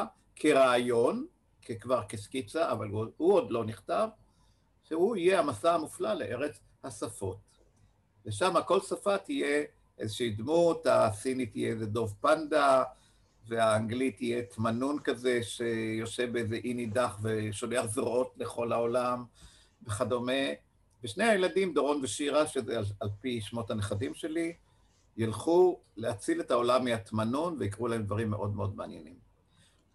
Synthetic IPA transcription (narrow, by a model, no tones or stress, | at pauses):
kʰeʁaːjo̞n | kekvaʁkeskit͡saːvalhuo̞d̪lo̞niχt̪av | ʃehuijehamasaamuflaleʔeʁet͡s | hasafo̞t | veʃamako̞lsafatije̞ | ʔezeʃiid̪muthasinit̪ijḛezedo̞vpand̪a | veaːŋɡlitijet̪manunkaze̞ʃejo̞ʃevbeeze̞ʔinidaχveʃo̞leaχzoʁʔo̞tle̞χo̞laolam | beχado̞me̞ | veʃnejajeladimd̪oʁo̞nveʃiʁaʃezeaalpiʃmo̞thaneχadimʃe̞li | jalχuleat͡sile̞tao̞lamːiatmanunveikʁulahe̞md̪vaʁimːe̞ʔo̞d̪meo̞d̪meanje̞̰nim